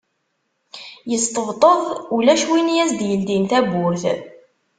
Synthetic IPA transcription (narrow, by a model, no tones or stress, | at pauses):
jəst̪əvt̪ˤəðˤulæʃwinjæsd̪jəld̪inθæbʊɾθ